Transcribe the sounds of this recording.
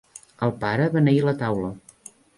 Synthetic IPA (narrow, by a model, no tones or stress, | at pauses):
əlˠpaɾəβanəilət̪awlə